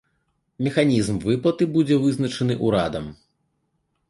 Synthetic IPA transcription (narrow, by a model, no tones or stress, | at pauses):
mʲɛxanʲizmvɨplˠɐt̪ɨbud͡zʲɛvɨznɐt͡ʂɐnɨʔuɾad̪ɐm